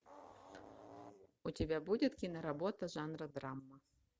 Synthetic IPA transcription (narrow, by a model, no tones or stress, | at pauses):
utʲɪbʲabudʲɪt̪kʲinɐɾabɔt̪ɐʐanrɐd̪ɾamːɐ